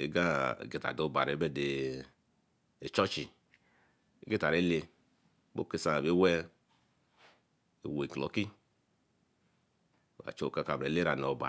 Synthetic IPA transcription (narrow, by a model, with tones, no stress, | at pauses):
ḛ˨ɡa̰˦˨ɡe˨ta̰˨do˦˨ba˨ɾe˨˦be˦de˨ | e˨t͡ʃɔ˦t͡ʃi˨ | i˦ɡe˦ta˨ɾe˨˦le˧ | bo̰˦ke˦sa˨be˨˦wɛ˦ | i˨wo˨i˨klɔ˨˦ki˦˨ | a̰˨t͡ʃo˨ka˧˨ka˨bɾe˨le˦ɾa˨no˨ba̰˨